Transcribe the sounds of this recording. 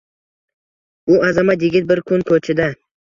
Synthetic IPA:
ʊʔazamat̪jɪɡʲɪt̪̚bɪɾkʰʊnkʰɵt͡ʃʰɪd̪a

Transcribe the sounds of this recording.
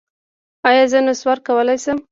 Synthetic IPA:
ɑjɑzənoswaɾkawəlajsəm

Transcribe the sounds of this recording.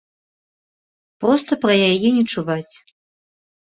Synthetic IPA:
pɾɔst̪ɐpɾɐjajɛnʲɛt͡ʂuvat͡sʲ

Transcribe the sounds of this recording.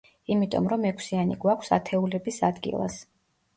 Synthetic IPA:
imit̪ʼɔ̰mɾɔmɛkʰʷsianiɡwakʰsat̪ʰɛulɛbisad̪ɡḭlˠa̰s

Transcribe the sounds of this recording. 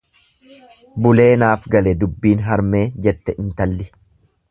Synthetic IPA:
bʊle̞ːnaːfɡɐlɛd̪ʊbːiːnɦɐɾme̞ːd͡ʒɛt̪ːɛɪnt̪ɐlːɪ

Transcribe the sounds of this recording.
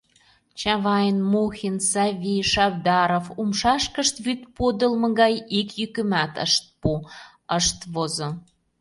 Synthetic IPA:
t͡ɕɑβɑjənmuxinsɑvʲijʃɑβd̪ɑɾofumʃɑʃkəʃt̪βyt̪pod̪ə̆lmɤ̆ɣɑjikjykəmæt̪ə̰ʃt̪̚pu | əʃt̪βozo

